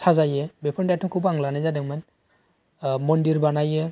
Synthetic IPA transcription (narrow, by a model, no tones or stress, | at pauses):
sʰazajɯbepʰɔndajtʰɔŋkʰubaŋlanajzadɯŋman | mɔndiɾbanajɯ